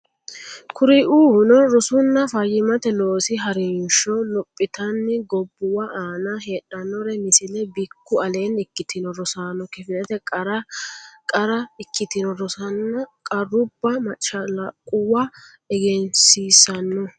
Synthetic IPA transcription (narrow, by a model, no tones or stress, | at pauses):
kʊɾɪʔuːhʊnɔɾɔsʊnːɐfɐjːɪmɐt̪ɛlo̞ːsɪɦɐɾɛnʃɔlɔpʼːɪt̪ɐnːɪɡɔbːʊwɐʔaːnɐɦeːɗɐnːɔɾɛmɪsɪlɛbɪkːʊɐle̞ːnɪkːɪt̪ɪnɔɾɔsaːnɔkɪfɪnɛt̪ɛkʼɾɐkʼɐɾɐɪkːɪt̪ɪnɔɾɔsɐnːɐkʼɐrːʊbːɐmɐt͡ʃːɐlɐkʼʊwa | ɛɡɛnsiːsɐnːɔ